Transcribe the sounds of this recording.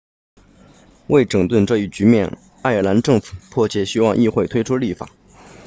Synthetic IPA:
we˥˩ɪʈ͡ʂɤ˨˩ŋt̪wə˥˧nʈ͡ʂɤ˥˧i˥˩t͡ɕy˧˥mjɛ˥˧n | a˥˩ɪə˞˨˩na˧˥nʈ͡ʂɤ˥˩ŋfu̥˨˩˦pʰwɔ˥˧t͡ɕjɛ˥˩ɕi˥wɑ˥˧ŋʔi˥˧xwe˥˩ɪt̪ʰwe˥ɪʈ͡ʂʰu˥li˥˩fa̰˨˩˦

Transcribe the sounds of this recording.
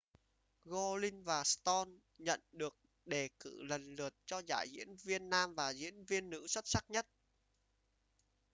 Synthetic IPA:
ɣo˧li˧ŋvaː˨˩st̪ɔ˧n | ɲə̰˧˨nɗɨ˨˩ək̚ | ɗe˨˩kɨ̰˧˩lə˨˩nlɨ˨˩ət̚t͡ɕɔ˧za̰ː˧˩jzḭ˧˥ənvi˧ənːaː˧mvaː˨˩zḭ˧˥ənvi˧ənːɨ̰˧˥swə˦˥t̚sa˦˥k̚ɲə˦˥t̚

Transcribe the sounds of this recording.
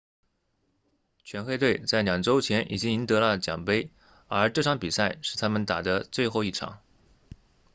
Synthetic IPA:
t͡ɕʰɥɛ˧˥nxwe˥˧ɪt̪we˥˧˩ɪt͡sa˥˩ɪnjɑ˨˩ŋʈ͡ʂo˥ʊt͡ɕʰjɛ˧˥nʔi˨˩t͡ɕi˥ŋi˧˥nt̪ɤ˧˥lə˧t͡ɕjɑ̰˨˩ŋpe˥ɪ | ə˞˧˥ʈ͡ʂɤ˥˧˩ʂʰɑ˥ŋpi˨˩sa˥˩ɪʂɻ̩˥˩t̪ʰa˥mə˧˨nt̪a˨˩d̪ə˦t͡swe˥˧ɪxo˥˧ʊi˥˩ʈ͡ʂʰɑ̰˨˩˦ŋ

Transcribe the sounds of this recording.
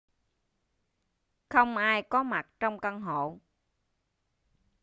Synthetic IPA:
xə˧wŋ͡mʔaː˧jkɔ˨˦ma˨˩t̚t͡ɕɔ˧wŋ͡mkə˧ŋɦo̰˧˨

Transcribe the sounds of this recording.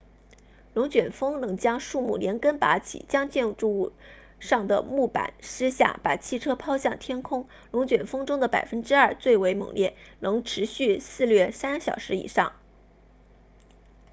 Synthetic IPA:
lʊ˧˥ŋt͡ɕɥɛ˨˩nfɤ˥ŋnɤ˧˥ŋt͡ɕjɑ˥ŋʂu˥˧mu˥˩ljɛ˧˥nkə˥npa̰˧˥t͡ɕʰḭ˨˩t͡ɕjɑ˥ŋt͡ɕjɛ˥˧n˧˥ʈ͡ʂu˥˧u˥˧ | ʂɑ˥˩ŋd̪ə̰˩mu˥˩pa̰˨˩˦nʂɻ̩˥ɕja̰˥˩pa̰˨˩t͡ɕʰi˥˩ʈ͡ʂʰɤ˥pʰɑ˥ʊɕjɑ˥˩ŋt̪ʰjɛ˥nkʰʊ˥ŋ | lʊ˧˥ŋt͡ɕɥɛ˨˩nfɤ˥ŋʈ͡ʂʊ˥ŋd̪ə˨pa̰˨˩ɪfə˥nʈ͡ʂɻ̩˥ɐ˞˥˧t͡swe˥˩ɪwe˧˥ɪmɤ̰˨˩ŋljɛ˥˩nɤ˧˥ŋʈ͡ʂʰɻ̩˧˥ɕy˥˧sɹ̩˥˧lɥɛ˥˩sa˥nɕjɑ˨˩ʊʂɻ̩˧˥ḭ˨˩ʂɑ̰˥˩ŋ

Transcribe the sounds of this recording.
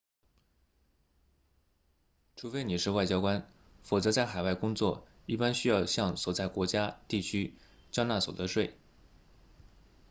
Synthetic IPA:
ʈ͡ʂʰu˧˥fe˥ɪni˨˩ʂɻ̩˥˧wa˥˩ɪt͡ɕjɑ˥ʊkwa˥n | fɔ˨˩t͡sɤ˧˥t͡sa˥˩ɪxa˨˩ɪwa˥˩ɪkʊ˥ŋt͡swɔ˥˩ | i˥˩pa˥nɕy˥jɑ˥˧ʊɕjɑ˥˩ŋswɔ˨˩t͡sa˥˩ɪkwɔ˧˥t͡ɕja˥t̪i˥˩t͡ɕʰy˥ | t͡ɕjɑ˥na˥˩swɔ˨˩d̪ə˧˦ʂwe˥˩ɪ

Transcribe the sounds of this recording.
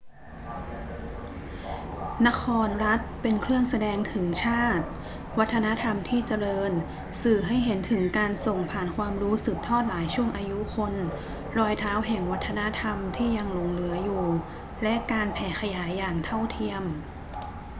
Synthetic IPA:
na˦˥kʰɔː˧nɾa˦˥t̪̚pe˧nkʰlɯ˥˩əŋsa˧dɛː˧ŋt̪ʰɯ˩˦ŋt͡ɕʰaː˥˩t̪̚ | wa˦˥t̪ʰːa˧na˦˥t̪ʰa˧mt̪ʰiː˥˩t͡ɕa˧ɾɤː˧n | sɯː˨˩ɦa˥˩jɦe˩˦nt̪ʰɯ˩˦ŋkaː˧nso˨˩ŋpʰaː˨˩nkʰwaː˧mɾuː˦˥sɯː˨˩p̚t̪ʰːɔː˥˩t̪̚laː˩˦jt͡ɕʰu˥˩əŋʔaː˧ju˦˥kʰo˧n | ɾɔː˧jt̪ʰaː˦˥wɦɛ˨˩ŋwa˦˥t̪ʰːa˧na˦˥t̪ʰa˧mt̪ʰiː˥˩ja˧ŋlo˧ŋlɯ˩˦ɐjuː˨˩ | lɛ˦˥kaː˧npʰɛː˨˩˦xʰa˧jaː˩˦jːaː˨˩ŋt̪ʰa˥˩wt̪ʰi˧əm

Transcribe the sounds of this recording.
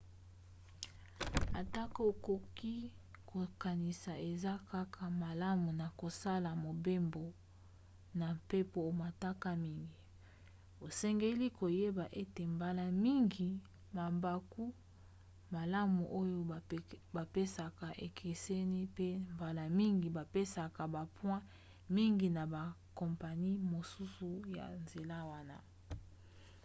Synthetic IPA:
a̰˨ta˦ka˦o˨ko˨ki˦ | kʰo˨ka˨ni˨sa˨e˨za˦ka˦kʰa˨ma˨la˦mu˨na˨ko˨sa˦la˨mo˨be˦mbo˨ | na˨mpe˦po˨ma˨ta˦ka˦mi˦ŋɡi˨ | o˨sɛ˦ŋɡe˦li˦ko˨je˦ba˨ʔe˦te˨mba˦la˨mi˦ŋɡi˨ | ma˨mba˨ku˦ | ma˨la˦mṵ˨ʔo˦jo˦˨ba˨pe˦sa˨ka˨ʔe˨kʰe˨se˦ni˦pe˦mba˨la˨mi˦ŋɡi˨ba˨pe˦sa˨ka˨ba˨pwɛ̃˦ | mi˦ŋɡi˨na˨ba˨kɔ˨mpa˨ni˦mo˨su˦su˨ja̰˨nze˨la˦˨wa˦na̰˨

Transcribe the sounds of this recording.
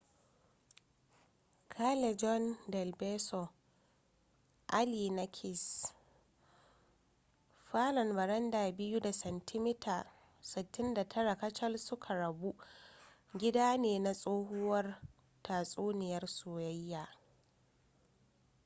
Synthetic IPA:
kʰa˦lɛ˨d͡ʒɔ˦ndɛ˨lbɛ˦sɔ˨ | ʔa˦li˨na˦kʲʰɪ˨s | ɸaː˦lɔ˨nbɐ˨ɾɐ˦ndaː˨bɪ˦ju˦da˨sɐ˨ntʰɪ˦mɪ˦tʰaː˨ | sɪ˨tːɪ˦nda˨tʰɐ˦ɽa˨kɐ˦t͡ʃɐ˦lsʊ˦kʰa˨ɾɐ˨bu˦ | ɡʲɪ˦daː˦neː˨na˨sʼoː˦hʊ˦wɐ˦r | taː˨sʼoː˦nɪ˨jɐ˦rsoː˨jɐ˦jːaː˨

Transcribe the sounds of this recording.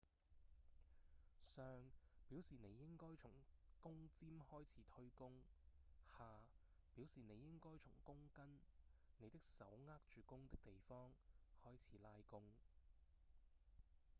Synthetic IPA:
sœː˧ŋpiː˨˥wsiː˨˩ne˨˧jːɪ˥ŋkɔː˥jt͡ʃʰʊ˨˩ŋkʊ˥ŋt͡siː˥mhɔː˥jt͡sʰiː˨˥t̪ʰɵ˧˥ɥkʊ˥ŋ | haː˨˧ | piː˨˥wsiː˨ne˨˧jːɪ˥ŋkɔː˥jt͡sʰʊ̰˨˩ŋkʊ˥ŋkɐ˥nne˨˧jt̪ɪ˥k̚sɐ˨˥wŋaː˥k̚t͡ʃyː˨kʊ˥ŋt̪ɪ˥k̚t̪e˨jfɔː˥ŋhɔː˥jt͡sʰiː˨˥laː˧jkʊ˥ŋ

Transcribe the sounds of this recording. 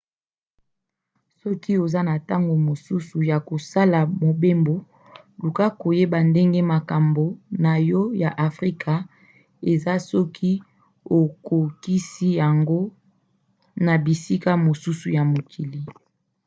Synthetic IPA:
sɔ˦ki˦o˨za˦na˨ta˦ŋɡo˨mo˨su˦su˨ja˨ko˨sa˦la˨mo˨be˦mbo˨ | lu˨ka˦ko˨je˦ba˨nde˦ŋɡe˦ma˨ka˨mbo˨na˨jɔ˦ja˨ʔa˨fʁi˦kʰa˨ | e˨za˦sɔ˦kʰi˦ | o˨ko˨ki˦si˦ja˨ŋɡo˦ | na˨bi˨si˦ka˦mo˨su˦su˨ja˨mo˨kʰi˨li˦

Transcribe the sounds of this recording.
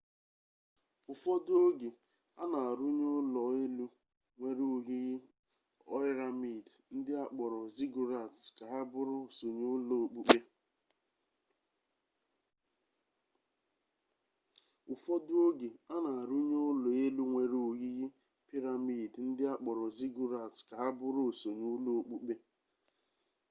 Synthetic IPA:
ʊ˨fɔ˦dʊ˦o˦ɡe˨ | a˦na˨a˨ɾu˦ɲo˦lɔ˨e˦lu˦ | ŋʷe˨ɾu˦˨ɣi˦ɣɪ˦ | ɔ˦ɾa˨mi˨dn̩˦dɪ˦a˦k͡pɔ˨ɾɔ˨zi˦ɡu˨ɾa˨tska˨a˦bʊ˦ɾʊ˦˨so˨ɲo˦lɔ˨o˨k͡pu˦k͡pe˦ | ʊ˨fɔ˦dʊ˦o˦ɡe˨a˦na˨a˨ɾu˦ɲo˦ʊ˦lo˨e˦lu˦ŋʷe˨ɾu˨ɣi˦ɣi˦ | pi˦ɾa˨mi˦˨dn̩˦dɪ˦a˦k͡pɔ˨ɾɔ˨zi˦ɡu˦ɾa˨tska˨a˦bʊ˦ɾʊ˦o˨so˨ɲu˦lo˦o˦k͡pu˦k͡pe˦

